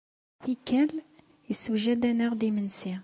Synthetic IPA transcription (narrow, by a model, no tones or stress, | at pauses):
θikːæl | jəswʒæd̪ænəʁd̪imənsi